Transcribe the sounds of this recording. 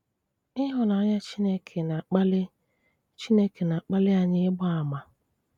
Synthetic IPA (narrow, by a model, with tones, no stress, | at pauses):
ɪ˦ɦʊ˨nɔ˨˦ɲa˦t͡ʃi˦ne˦kʰe˨na˨k͡pl | t͡ʃi˦ne˦ke˨na˨k͡pa˦lɪ˦a˨ɲɪ˦ɪ˦bʊ˦a˨ma˨